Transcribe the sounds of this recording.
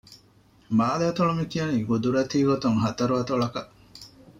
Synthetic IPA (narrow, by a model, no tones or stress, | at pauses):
maːlaːt̪oɭumikijɐniɡud̪uɾɐt̪iːɡot̪uŋɦɐt̪ɐɾuɐt̪oɭɐkɐʔ